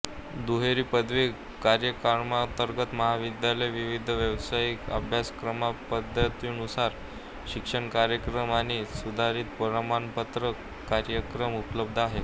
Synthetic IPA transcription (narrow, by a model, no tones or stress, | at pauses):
d̪uɦeɾiːpəd̪ʋe | kaɾjəkaɾmat̪əɾɡət̪məɦaʋid̪jaləjʋiʋid̪ʱəʋjəʋsajikə̰bʱjaskɾəmapəd̪ʱət̪iːnusaɾ | ɕikʂəɳkaɾjəkɾəmañisud̪ʱaɾiːt̪̚pəɾamanpət̪ɾə | kaɾjəkɾəmupləb̚d̪ʱaɦe